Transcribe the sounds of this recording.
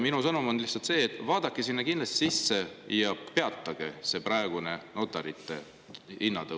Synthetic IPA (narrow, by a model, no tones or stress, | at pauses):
minusɤnumo̞nlihsɑlt̪se̞ːet̪ːˑvɑːd̪̥ɑkːˑesinːɑkind̪lɑst̪i̥sisːe̞jɑpe̞ɑt̪ːɑɡ̥e̞se̞prɑeɡ̥une̞not̪ˑːɑɾit̪ːˑe̞̰ | inːɑd̪ɤ